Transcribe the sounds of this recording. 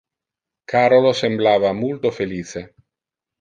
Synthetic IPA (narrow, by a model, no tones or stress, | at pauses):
kʰaɾolosemblaβamult̪ofeliθe